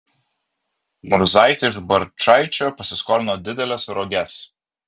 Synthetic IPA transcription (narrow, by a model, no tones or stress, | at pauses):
mʊɾzɑˑɪt̪ʲɪʒbɐɾt͡ʃɑˑɪt͡ʃʲoːpɐsʲɪskɔːɾʲɪnoːd̪ʲɪd̪ʲɛlʲɛsɾɔɡʲɛs